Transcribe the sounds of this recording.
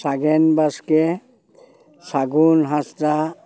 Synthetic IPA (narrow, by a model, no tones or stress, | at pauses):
saɡɛnbaske | saɡunɦãsta